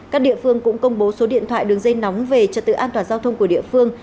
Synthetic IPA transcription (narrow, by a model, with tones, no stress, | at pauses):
kaː˦˥k̚ɗḭ˧˨əfɨ˧əŋkʊ̰˧˥ŋ͡mkə˧wŋ͡mɓo˨˦so˨˦ɗḭ˧˨nt̪ʰwa̰ː˧˨jɗɨ˨˩əŋzə˧jna˨˦wŋ͡mve˨˩t͡ɕə˨˩t̪ɨ̰˧˨ʔaː˧t̪waː˧˩nzaː˧wt̪ʰə˧wŋ͡mku˧˩əɗḭ˧˨əfɨ˧əŋ